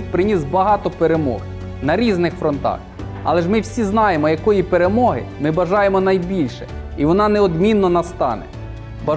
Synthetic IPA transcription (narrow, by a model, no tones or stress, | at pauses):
t̪ʲpɾɪnʲisbɐɦɑt̪ɔpeɾemɔ̰h | nɐɾʲiznɪxfɾɔnt̪ɑ̰x | ɐ̰lˠɛʒmɪwsʲiznɑjemɔjɐkɔjipeɾemɔɦɪ̰mɪbɐʒɑjemɔnɐjbʲilʲʃɛ | iʋɔnɑnɛɔd̪mʲinːɔnɐst̪ɑ̰nɛ̰ | bɐ